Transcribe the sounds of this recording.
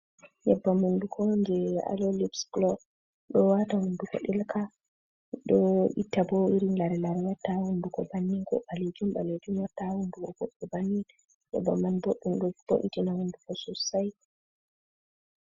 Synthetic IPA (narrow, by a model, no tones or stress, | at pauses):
jɛbːamundukʰɔnd͡ʒɛa̰lɔlibsɡlɔb | ɗɔwatahundukɔ̰ɗɛlkʰa | ɗɔʔitːabɔiɾinlaɾɛlaɾwatːahundukɔbanːiŋkɔ̰ɓaled͡ʒumba̰led͡ʒumwatːahundukɔboɗːubanːin | jɛ̰ba̰manboɗːumɗɔb̥oʔitinahundukɔsusaj